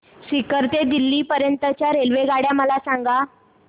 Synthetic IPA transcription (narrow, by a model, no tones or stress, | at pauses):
sikəɾt̪ed̪ilːiːpəɾjənt̪ət͡ɕjaɾelʋeɡaɽjaməlasãŋɡa